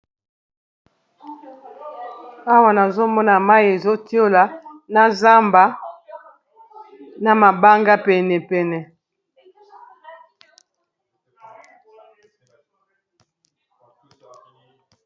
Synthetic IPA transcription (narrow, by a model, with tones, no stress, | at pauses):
a˦wa˨na˨zo˦mɔ˦na˨ma˦je˨zo˦ti˦o˦la˨na˦za˦mba˨˦ | na˨ma˨ba˦ŋɡa˦pɛ˨nɛ˨pɛ˨nɛ˨